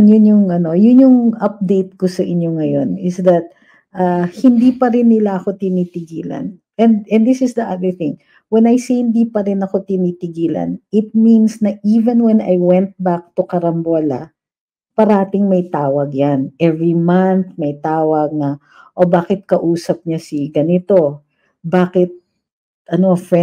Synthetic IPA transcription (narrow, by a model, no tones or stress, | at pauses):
njʊnjʊŋʔɐno̞jʊnjʊŋɐp̚d̪ejt̪̚kosɐʔɪɲjoŋɐjo̞nɪsd̪ɐt̪̚ | ʔahɪnd̪ipɐɾɪnːɪlaʔɐko̞t̪ɪnit̪ɪɡiːlɐ̰n | ɛnd̪ɛnd̪ɪsɪsd̪ɐʔad̪ə˞θɪ̃ŋ | wɛnɐjsehɪnd̪iːpɐɾɪnɐko̞t̪ɪnit̪ɪɡiːlɐ̰nʔɪt̪̚minsnɐʔiːvɛnwɛnɐjwɛ̃nt̪̚bak̚t̪ʊkɐɾɐmbolɐ | pɐɾɐat̪ɪŋmɐjt̪aːwɐɡ̚janʔɛvɹimanθmɐjt̪aːwɐɡ̚nɐ | ʔobaːkɪt̪̚kɐʔuːsɐp̚ɲasiɡɐnɪt̪o̞ | baːkɪt̪̚ | ʔɐnoɐfɹɛ